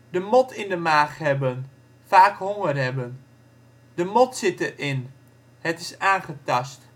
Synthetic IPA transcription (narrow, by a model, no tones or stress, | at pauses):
dəmɔtʰɪndəmaːχɦɛbən | faːkɦɔŋərɦɛbən | dəmɔtsɪtərɪn | hətɪsaːnχətɑst